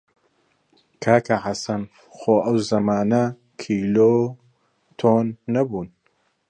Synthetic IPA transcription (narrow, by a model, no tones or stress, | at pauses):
kʰaːkʰɐhasɐn | xoːʔɐwzɐmaːnɐ | kʰiːloː | t̪ʰoːnːɐbuːn